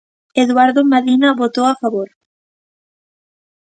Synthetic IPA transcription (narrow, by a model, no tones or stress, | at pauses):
eðwaɾðomaðinɐβot̪owafaβoɾ